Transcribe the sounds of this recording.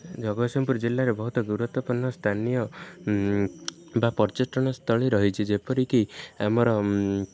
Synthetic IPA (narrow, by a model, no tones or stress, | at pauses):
d͡ʒɔɡɔsɔmpuɾd͡ʒilːaɾebɔɦut̪ɔɡuɾut̪ɔpɔnːɔst̪ʰanijɔ | bapɔɾt͡ʃiʈɔɽ̃ɔst̪ʰɔɭiɾɔɦit͡ʃʰid͡ʒepɔɾikiamɔɾɔ